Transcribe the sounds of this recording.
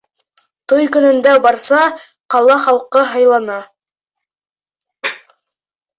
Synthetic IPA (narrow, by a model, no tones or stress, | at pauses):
t̪ojkɵ̆nɵ̆nd̪æbɑɾsɑ | qɑlˠɑχɑlˠqɤɦɑjlˠɑnɑ